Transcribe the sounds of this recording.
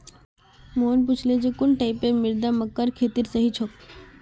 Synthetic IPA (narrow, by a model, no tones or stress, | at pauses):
monp̬ut͡ʃʰled͡ʑekuɳʈaipemiɾd̪aməkːəɾkʰet̪iːɾsəɦit͡ʃʰok